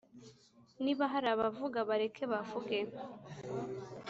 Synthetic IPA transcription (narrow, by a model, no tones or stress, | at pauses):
niβaɦaɾaβavuɡaβaɾekʰeβavuɡe